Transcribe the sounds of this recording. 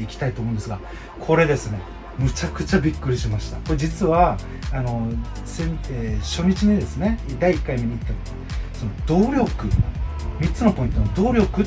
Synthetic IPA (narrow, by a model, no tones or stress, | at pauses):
eikʲi̥t̪ait̪oːmõnd̪sɨɡa | kʰo̞ɾe̞d̪e̞sɨne̞ | mɯ̟t͡ɕakɯ̟t͡ɕabʲikːɯ̟ɾʲiɕimaɕi̥t̪ako̞ɾed͡ʑit͡sɨβaː | no̞ | sẽneɕo̞ɲ̟it͡ɕiɲ̟id̪e̞sɨne̞d̪aiikːaimeɲ̟iːt̪ːat̪ | so̞no̞d̪̥o̞ːɾʲo̞kɯ̟ | mʲit͡sɨno̞po̞ĩnt̪o̞nod̪o̞ːɾʲo̞kɯ̟